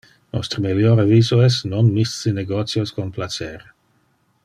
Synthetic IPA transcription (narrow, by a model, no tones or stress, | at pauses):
nɔ̰st̪ɾəmiljoɾaviːzoɛs̬nonmissineɡot̪sjoskonplat͡ʃɛɾ